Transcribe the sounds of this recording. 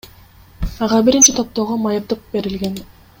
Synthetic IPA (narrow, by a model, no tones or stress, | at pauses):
ɑʁɑbiɾint͡ʃit̪ʰo̞p̚t̪o̞ʁomɑjɯpt̪ɯq̚be̞ɾilɡe̞n